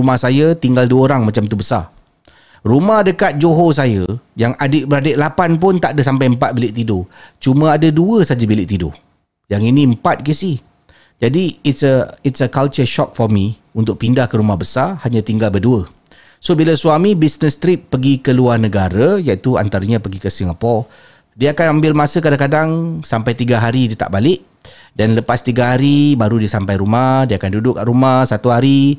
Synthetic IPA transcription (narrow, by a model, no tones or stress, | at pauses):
umahsajət̪iŋɡalduəoɾaŋmãt͡ʃamt̪ubəsa̰ | rumahdəkat̪̚d͡ʒoɦos̬ajəjaŋadɪʔbəɾadəʔlapanpʊnt̪aʔdəs̬ampajəmpat̪̚bilɪʔt̪idot͡ʃumə̃adəduəsad͡ʒabilɪʔt̪ido̰ | jaŋinĩəm̩pat̪̚kisi | d͡ʒadiːtsəitsəkalt͡ʃəʃɔk̚fɔrmi | unt̪ʊk̚pindahkəɾumahbəsahaɲãt̪iŋɡalbəduə | sobilasuamibisnəst̪ɾip̚ːəɡikəluarnəɡaɾəjait̪ua̰nt̪aɾəɲãpəɡikəsiŋapɔ | diaakanambɪlmasəkadaŋkadaŋsampajt̪iɡaɦaɾidit̪a̰ʔbalɪʔ̚ | danləpast̪iɡaɦaɾibaɾudisampajɾumadiakandudʊkaʔɾumahsat̪uɦaɾi